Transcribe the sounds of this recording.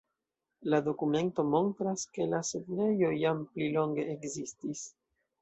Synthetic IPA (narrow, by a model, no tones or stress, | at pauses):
lado̞kume̞nto̞mo̞ntɾaske̞laseɡne̞jo̞jamplilo̞ŋɡe̞ʔːkzistis